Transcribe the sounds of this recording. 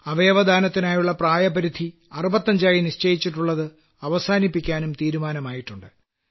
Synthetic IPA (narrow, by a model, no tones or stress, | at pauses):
ɐʋe̞ːʋɐd̪ʱaːnɐt̪ːinaːjuɭːɐpraːjɐbɐɾid̪ʱi | ɐrubɐt̪ːɐɲd͡ʑaːjiniɕt͡ɕejit͡ɕːiʈːuɭːɐðɨ | ɐʋɐsaːnipːikʲːaːnumt̪iːɾumaːnɐmaːjiʈːuɳɖɨ